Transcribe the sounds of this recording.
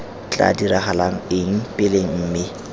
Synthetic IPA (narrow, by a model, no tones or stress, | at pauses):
t͡ɬʼa̰diɾaχalaŋ̩ɪŋ̩pʼɪleŋ̩m̩ːmɪ